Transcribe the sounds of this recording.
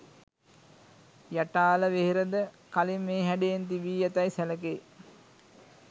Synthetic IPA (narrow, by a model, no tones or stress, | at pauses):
jaʈaːləʋeɦeɾəd̪ə | kalimːeːɦæɖejent̪iʋiːjat̪ajsæləke